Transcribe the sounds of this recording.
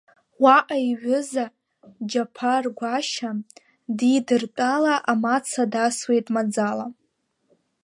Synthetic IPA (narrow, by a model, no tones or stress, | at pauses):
waʔaiɥʊza | d͡ʒapʰarɡʷaʃa | didɨrtʼalaʔamat͡sʰadaswe̞jtʼmad͡zala